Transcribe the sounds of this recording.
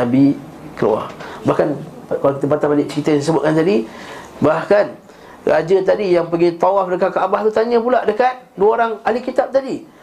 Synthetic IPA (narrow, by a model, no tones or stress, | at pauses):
abi | kəlṵa̰hbahkankalakit̪əpat̪abalɪk̚t͡ʃəkit̪ajãsəbʊt̪̚kant̪adibahkan | rad͡ʒət̪̬adijaŋpəɡit̪awafdəkat̪̚kːaabaht̪ut̪aɲə̃p̬ulaʔdəkat̪̚duəoɾaŋalikit̪ap̚t̪adi